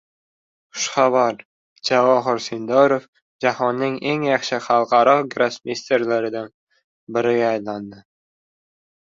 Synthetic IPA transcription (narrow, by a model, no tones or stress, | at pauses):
χʊ̥ʃχavaɾ | d͡ʒavɒɦɨɾsind̪ɒɾof | d͡ʒahɒnːɪŋeŋjɑχʃɪχɑlˠqʰɑɾɒɡɾasmʲest̪eɾlaɾɪd̪an | bɪɾɪɡʲaːjland̪ɪ